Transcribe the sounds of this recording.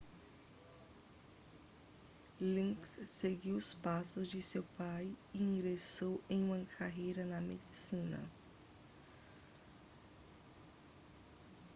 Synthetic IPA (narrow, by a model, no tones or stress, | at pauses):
lĩksːeɡiwʊspasʊzd͡ʒɪsewpajiĩŋɡɾesowẽj̃ũmɐkʰaɦejɾɐnɐmed͡ʒisĩnɐ̰